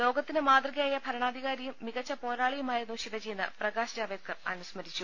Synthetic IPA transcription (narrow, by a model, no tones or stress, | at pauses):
lo̞ːɡɐt̪ːinɨmaːd̪rɐɣɐjaːjɐbʱɐɾɐɳaːd̪ʱiɣaːɾɐjumːiɣɐt͡ɕːɐpo̞ːɾaːɭijumaːjɐnuɕiʋɐd͡ʑijunːɐ̰prɐɣaːɕɐd͡ʑaːʋeːd̪̚kɐrɐ̰nusmɐɾit͡ɕːu